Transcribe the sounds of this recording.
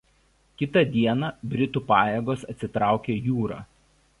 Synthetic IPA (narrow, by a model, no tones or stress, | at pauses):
kʲɪt̪ɐˑd̪ʲiɛnɑːbʲɾʲɪt̪uːˑpɑːjeɡoːsɐt̪ʲsʲɪt̪ɾɑˑʊkʲeːjuːɾɑ̰ː